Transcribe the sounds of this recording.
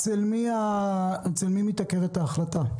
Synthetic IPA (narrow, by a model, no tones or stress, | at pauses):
t͡selmiaet͡selmimit̪akeʁetaːχlata